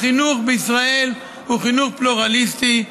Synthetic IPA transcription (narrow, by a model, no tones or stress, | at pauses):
χinuχbeisʁael | uχinuχpluʁalist̪i